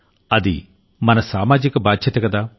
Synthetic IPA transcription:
ɐd̪ḭ | mɐnɐssaːmaːd͡ʒikɐbaːd̪ɕʰɐtːɐkɐd̪a

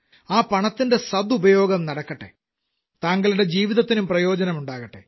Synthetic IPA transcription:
aːpɐɳɐt̪ːinde̞sɐd̪ubɐjo̞ːɡɐmnɐɽɐkːɐʈːe̞̰ | t̪aːŋɡɐɭuɽe̞d͡ʑiːʋiðɐt̪ːinumprɐjo̞ːd͡ʑɐnɐmuɳɖaːɣɐʈːe̞̰

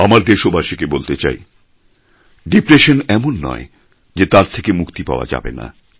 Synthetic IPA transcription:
amaɾd̪eʃobʱaʃikebolt̪et͡ɕa̰j | ɖipɾeʃonɛmonːɔ̰e | d͡ʑet̪aɾt̪ʰekemukt̪ipa̰oa̰d͡ʑa̰bḛna̰

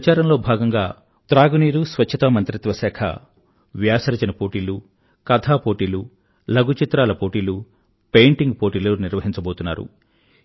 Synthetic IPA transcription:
t͡ʃaːɾɐnlo̞ːbʱaːɡɐŋɡaː | t̪ɾaːɡuniːɾusʋɐt͡ʃt͡ʃʰːɐt̪ɐmɐnt̪ɾit̪ʋɐsɛːkʰɐ̰ | ʋjaːsɐɾɐt͡ʃɐnɐpo̞ːʈiːlu | kɐd̪ʰʱaːpoːʈiːlu | lɐɡut͡ʃit̪ɾaːlɐpo̞ːʈiːlu | pe̞jɳʈiŋɡpoːʈiːloːniɾʋɐɦiɲt͡ʃɐbo̞ːt̪unːa̰ːɾṵ

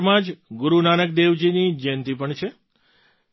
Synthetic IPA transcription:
mãd͡ʒɡʊɾunanək̚d̪eʋd͡ʒinid͡ʒɛnt̪ipəɳt͡ʃʰe

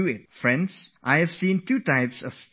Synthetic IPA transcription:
uɪt̚fɹɛ̃ndsʔaɪhɛv̥sĩntuːtaɪpsɔv̥

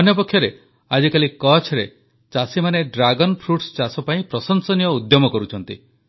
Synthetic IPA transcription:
ɔnjɔp̬ɔkʰːjɔɾe | ad͡ʒikalikɔt͡ʃʰɾe | t͡ʃasimaneɖɾaɡɔnpʰɾuʈst͡ʃasɔpaĩpɾɔsɔnsɔnijɔud̪jɔmɔkɔɾut͡ʃʰɔnt̪i

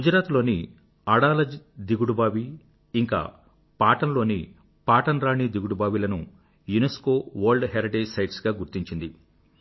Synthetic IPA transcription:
ɡud͡ʒɐɾaːt̪lo̞ːni | ɐɽaːlɐd͡ʒd̪iɡuɽubaːʋi | iŋka̰ː | paːʈɐnlo̞ːnḭ | paːʈɐnɾaːɳid̪iɡuɽubaːʋilɐnu | junesko̞ːʋɐɾɭɖɦeːɾiʈeːd͡ʒsɐjʈsɡaːɡuɾt̪iɲt͡ʃind̪i

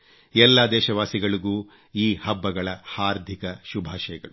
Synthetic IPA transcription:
ɛlːad̪ɛːʃɐʋaːsiɡɐɭuɡuː | iːhɐbːɐɡɐɭɐhaːɾd̪ʱikɐʃubʱaːʃɐjɐɡɐɭu

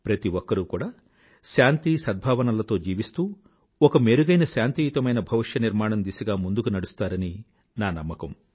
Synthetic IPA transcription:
pɾɐt̪iʋɔkːɐɾukuːɽaː | ʃaːnt̪isɐd̪̚bʱaːʋɐnɐlɐt̪o̞ːd͡ʒiːʋist̪uː | ɔkɐme̞ːɾuɡɐjnɐʃaːnt̪ijut̪ɐmɐjnɐbʱɐʋiʂjɐniɾmaːɳɐmd̪isiɡaːmund̪ukunɐɽust̪aːɾɐni | naːnɐmːɐkɐm

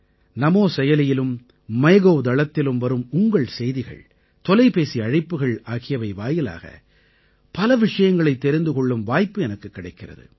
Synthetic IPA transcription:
nɐmoːsɛjɐlɪjɪlɯmː | ɐɣoʋd̪ɐɭɐt̪ːɪlɯmʋɐɾɯmʊŋɡɐɭsɛjðɪɣɐ̰ɭ | t̪ɔlɐɪpeːsiɐɻɪpːɯɣɐɭaːɣɪjɐʋɐɪʋaːjɪla̰ːɣɐ̰ | pɐlɐʋɪʂɐjɐŋɡɐɭɐɪt̪ːɛɾɪnd̪ɯkɔɭːɯmʋaːjpːɯɛnɐkːɯkːɪɽɐɪkːɪrɐ̰ðɯ̰

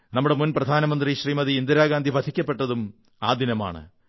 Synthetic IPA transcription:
nɐmːuɽe̞munprɐd̪ʱaːnɐmɐnd̪riɕriːmɐðiːnd̪iɾaːɡaːnd̪ʱibɐd̪ʰʱikʲːɐpːe̞ʈːɐðum | aːd̪inɐma̰ːɳɨ̰

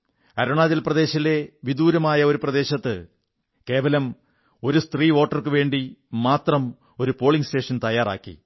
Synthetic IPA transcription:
ɐɾuɳaːðilprɐd̪e̞ːɕɐle̞ʋid̪uːɾɐmaːjɐo̞ɾuprɐd̪e̞ːɕɐt̪ːɨ | ke̞ːʋɐlɐm | o̞ɾust̪riːʋo̞ːʈːɐrkɨʋe̞ːɳɖimaːt̪rɐm | o̞ɾupo̞ːɭiŋste̞ːʂɐnt̪ɐjaːra̰ːkːḭ

